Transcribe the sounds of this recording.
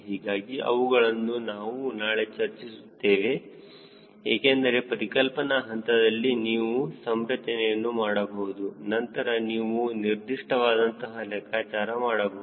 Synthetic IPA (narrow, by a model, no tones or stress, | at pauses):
ɦiːɡaːɡiʔɐ̰ʋuɡɐɭɐnːunaːʋunaːɭet͡ʃɐɾt͡ʃisut̪ːe̞ːʋe̞ | eːkend̪ɐɾe̞pɐɾikɐlpɐnɐɦɐnt̪ɐd̪ɐlːiniːʋusɐmɾɐt͡ʃɐnɛjɐnːumaːɽɐbɐɦud̪unɐnt̪ɐɾɐniːʋuniɾd̪iʂʈɐʋaːd̪ɐnt̪ɐɦɐlɛkʰaːt͡ʃaːɾɐmaːɽɐbɐɦ